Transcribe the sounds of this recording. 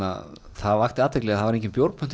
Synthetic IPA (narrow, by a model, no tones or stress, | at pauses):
a̰ | θaðvaxt̪ɪaːt̪vɛklɛɣaθavaɾẽjŋɲcɪnpjowɾt̪pʏnt̪